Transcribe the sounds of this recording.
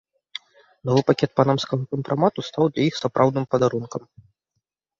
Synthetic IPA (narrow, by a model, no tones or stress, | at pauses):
nɔvɨpakʲɛt̪̚panamskɐɣɐkɐmpɾʔamat̪ust̪awd̪lʲajixsapɾʔawd̪nɨmpɐd̪aɾunkɐm